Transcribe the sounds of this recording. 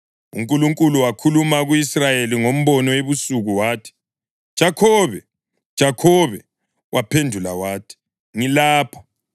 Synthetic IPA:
ṵŋkʼuluŋkʼuluwakʰulumaɣuisrajeliŋom̩βɔnɔeβusuɣuwaːtʰi̥ | d̥ʒ̥ʱakʰɔːβɛ | d̥ʒ̥ʱakʰɔβɛ | wʔapʰendʱulawaːtʰi̥ | ŋilaːpʰɔ̥

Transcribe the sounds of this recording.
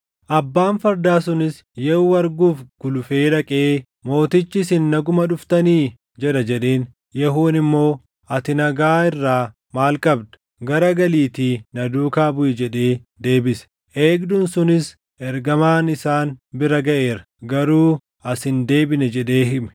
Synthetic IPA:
ʔɐbːaːnfɐɾd̪aːsʊnɪs | jɛuːɐɾɡuːfɡ̥ʊlʊfe̞ːᶑɐkʼe̞ː | mo̞ːt̪ɪt͡ʃːɪsɪnːɐɡʊmɐᶑʊft̪ɐniː | d͡ʒɛɗɐd͡ʒɛɗe̞ːn | jɛɦuːnɪmːo̞ː | ɐt̪ɪnɐɡaːɪrːaː | maːlkʼɐbd̪ɐ̥ | ɡɐɾɐɡɐliːt̪iːnɐd̪uːkaːbʊjɛd͡ʒɛᶑe̞ːd̪e̞ːbɪsɛ̥ | ʔeːɡd̪ʊnsʊnɪs | ɛɾɡɐmaːnɪsaːnbɪɾɐɡɐʔe̞ːɾɐ | ɡɐɾuː | ɐsɪnd̪e̞ːbɪnɛd͡ʒɛᶑe̞ːɦɪmɛ

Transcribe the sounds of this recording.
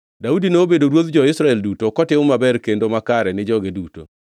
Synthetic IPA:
daudinoobedoɾwot̪d͡ʒɔɪsɾaɛldutokɔtɪʊmabɛɾkendomakaɾɛnɪd͡ʒɔɡeduto̰

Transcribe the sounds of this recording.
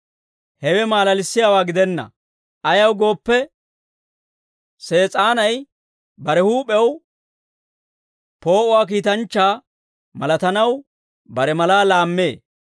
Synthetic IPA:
hɛwɛmaːlɐlɪsːɪjaːwaːɡɪd̪ɛnːɐ̰ | ʔɐjɐwɡo̞ːpːɛ | se̞ːt͡sʼaːnɐj | bɐɾɛhuːpʼɛw | po̞ːʔʊwaːk̬iːt̪ɐnt͡ʃːaː | mɐlɐt̪ɐnɐw | bɐɾɛmɐlaːlaːmːḛː

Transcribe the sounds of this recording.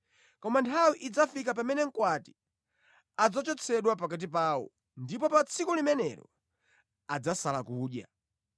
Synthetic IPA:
kɔmantʰawiʔid͡zafikap̬amɛnɛŋ̩kwati̥ | ad͡zɔt͡ʃɔt͡sʰɛɗwapak̬at̬ip̬aːwɔ̰ | ndipɔpat͡sʰikɔlimɛnɛɾɔ̰ | ad͡zasalakuːɗja̰

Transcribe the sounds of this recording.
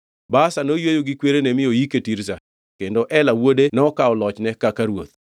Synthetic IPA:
basanojwejoɡɪkweɾenemɪjojiketiɾsa | kendoʔɛlawodenɔkaɔlɔt͡ʃnɛkakaɾwot̪̚

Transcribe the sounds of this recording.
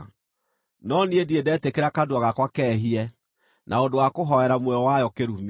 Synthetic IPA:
nɔniediedɛtekeɾakadwaɣakwakɛɦiɛ | nʔaondowakoɦɔɛɾamwɛɔwajɔkeɾum

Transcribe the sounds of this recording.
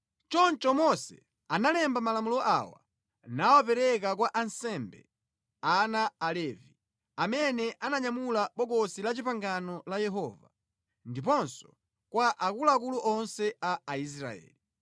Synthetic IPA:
t͡ʃɔnt͡ʃɔmɔsɛ̰ | analɛmbamalamulɔʔa̰wa̰ | nawapɛɾɛk̬ak̬waʔansɛmbɛ̰ | anaːlɛvi | amɛnɛʔanaɲamulaɓɔɡɔsilat͡ʃipaŋɡanɔlajɛɦɔːva | ndipɔnsɔ̥ | kwaʔakulakuluʔɔnsɛaːis̬ɾa̰ɛ̰ːli

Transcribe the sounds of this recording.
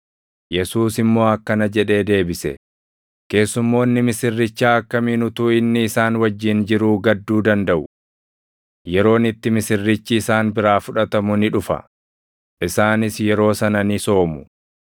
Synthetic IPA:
jɛsuːsɪmːo̞ːɐkːɐnɐd͡ʒɛᶑe̞ːd̪e̞ːbɪsɛ̰ | ke̞ːsːʊmːo̞ːnːɪmɪsɪrːɪt͡ʃːaːɐkːɐmiːnʊt̪uːɪnːɪːsaːnwɐd͡ʒːɪnd͡ʒɪɾuːɡɐd̪ːuːd̪ɐnd̪ɐʔʊ | jɛɾo̞ːnɪt̪ːɪmɪsɪrːɪt͡ʃːɪːsaːnbɪɾaːfʊᶑɐt̪ɐmʊnɪᶑʊfɐ̰ | ʔɪsaːnɪsjɛɾo̞ːsɐnɐnɪso̞ːmʊ̥

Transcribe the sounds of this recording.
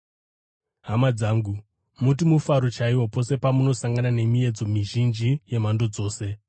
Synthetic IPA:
ɦamad͡zaːŋɡu | mut̬imufaɾot͡ʃaiwo̞po̞se̞pamuno̞saŋɡanane̞mie̞d͡zo̞miʒind͡ʒije̞mando̞d͡zo̞ːse̞

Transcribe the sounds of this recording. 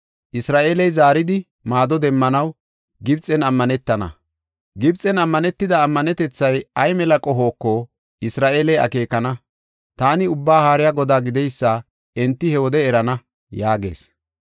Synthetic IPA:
ʔɪsɾaːʔeːlɛjzaːɾɪd̪ɪ | maːd̪ɔd̪ɛmːɐnɐw | ɡɪbt͡sʼɛnɐmːɐnɛt̪ːɐnɐ̰ | ɡɪbt͡sʼːɛnɐmːɐnɛt̪ːɪd̪ɐːmːɐnɛt̪ɛt͡sːɐjɐjmɛlɐkʼɔɦo̞ːkːɔ | ɪsɾaːʔeːlɛjɐ̰ke̞ːkːɐnɐ | t̪aːnɪʊbːaːhaːɾɪjaːɡɔd̪aːɡɪd̪ɛjsːa | ɛnt̪ːɪhɛwɔd̪ɛːɾɐnɐ | jaːɡe̞̰ːs

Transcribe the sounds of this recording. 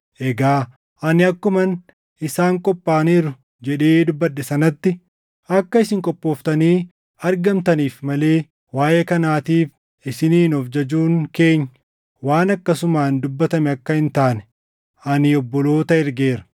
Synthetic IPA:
ʔɛɡaː | ʔɐnɪɐkːʊmɐn | ɪsaːŋkʼɔpʼːaːniːɾʊ | d͡ʒɛᶑe̞ːd̪ʊbːɐɗːɛsɐnɐt̪ːɪ | ɐkːɐɪsɪŋkʼɔpʼːo̞ːft̪ɐniː | ɐɾɡɐmt̪ɐniːfmɐle̞ː | waːjekɐnaːt̪iːf | ɪsɪniːnɔfd͡ʒɐd͡ʒuːŋke̞ːɲː | waːnɐkːɐsʊmaːnd̪ʊbːɐt̪ɐmɛɐkːɐhɪnt̪aːnɛ̥ | ʔɐnɪɔbːɔlo̞ːt̪ɐɪɾɡe̞ːɾɐ̥

